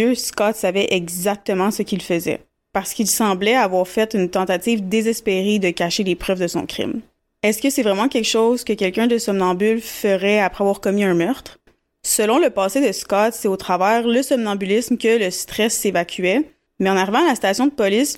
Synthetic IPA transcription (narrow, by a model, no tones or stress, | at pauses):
øskɑt̪savɛʔɛɡzak̚t̪əmɑ̃səkʲilfəzɛ̰ | paʁsə̥kilsɑ̃blɛavwaʁfɛt̪ynt̪ɑ̃t̪at̪iːvd̪ezɛspeʁed̪əkaʃelepχœvd̪əsɔ̰̃kχɪ̰m | ɛskʲəsɛvʁɛmɑ̃kʲɛkʃɔzkəkʲɛlkʲœ̃d̪əsɔmnɑ̃bylfəʁɛapχɛavwaːʁkɔmiœ̃mœʁt̪χ | səlɔ̃ləpaːsed̪əskɑt̪sɛot̪χavɛːʁləsɔmnɑ̃bylismkʲələst̪χɛsːevakʲʰyɛ | mɛɑ̃naʁivɑ̃alasi̥t̪asjɔ̃d̪əpɔlis